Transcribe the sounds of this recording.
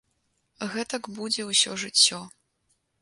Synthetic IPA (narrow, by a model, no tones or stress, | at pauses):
ɣɛt̪ɐkbud͡zʲɛwsʲɔʐɨt͡sʲːɔ